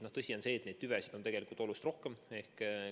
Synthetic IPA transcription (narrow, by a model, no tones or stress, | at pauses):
noht̪ɤsʲio̞nse̞ːt̪ne̞d̪̚t̪yvesid̪̥o̞nt̪e̞ɡ̥elikˑult̪olust̪ro̞hkeme̞hk